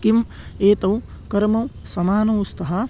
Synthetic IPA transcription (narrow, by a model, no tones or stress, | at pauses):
kim | eːt̪ɐw | kɐɾmɐw | sɐmaːnɐwst̪ɐɦɐ